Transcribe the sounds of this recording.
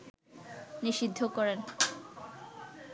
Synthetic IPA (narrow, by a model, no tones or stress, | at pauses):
niʃid̪ʱːokɔɾen